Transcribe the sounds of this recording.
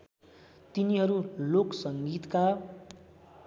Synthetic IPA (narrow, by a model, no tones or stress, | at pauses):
t̪iniɦʌɾuloksʌŋɡit̪ka